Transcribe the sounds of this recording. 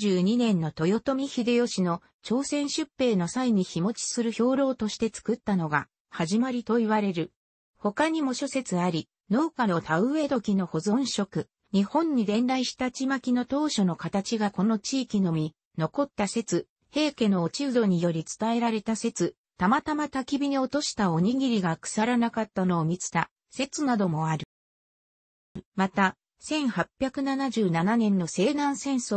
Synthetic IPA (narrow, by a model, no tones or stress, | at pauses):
ɨːɲ̟inẽ̞nːo̞t̪o̞jo̞t̪o̞mʲiçid̪e̞jo̞ɕino̞ | t͡ɕo̞ːsẽ̞ɰ̃ɕɨpːe̞ːno̞saiɲ̟içimo̞t͡ɕi̥sɨɾɯ̟ço̞ːɾo̞ːt̪o̞ɕi̥t̪e̞t͡sɨ̥kɯ̟t̪ːano̞ɡa | haʑimaɾʲit̪o̞iβaɾe̞ɾɯ̟ | ho̞kaɲ̟imo̞ɕo̞se̞t͡sɨaɾʲi | no̞ːkano̞t̪aɯ̟e̞ːd̪o̞kʲino̞ho̞zõ̞ɰ̃ɕo̞kɯ̟ | ɲ̟ihõ̞ɲ̟ːid̪ẽ̞nɾaiɕi̥t̪at͡ɕimakʲino̞t̪o̞ːɕo̞no̞kat̪at͡ɕiɡako̞no̞t͡ɕiːkʲino̞mʲi | no̞ko̞t̪ːase̞t͡sɨ | he̞ːke̞no̞ːt͡ɕiɯ̟d̪o̞ɲ̟ijo̞ɾʲit͡sɨ̥t̪ae̞ɾaɾe̞t̪ase̞t͡sɨ | t̪amat̪amat̪akʲibʲiɲ̟io̞t̪o̞ɕi̥t̪ao̞ɲ̟iɡʲiɾʲiɡakɯ̥saɾanakat̪ːano̞ːmʲit͡sɨ̥t̪a | se̞t͡sɨnad̪o̞mo̞aɾɯ̟ | mat̪a | sẽ̞ɰ̃hapʲːjakɯ̟nanaʑɨːnananẽ̞nːo̞se̞ːd̪ãɰ̃sẽ̞ɰ̃so